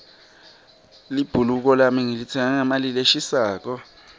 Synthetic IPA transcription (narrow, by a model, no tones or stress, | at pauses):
lib̥ʱuluk̬ɔlamiŋilit͡sʰɛŋaŋamalileʃisaːk̬ɔ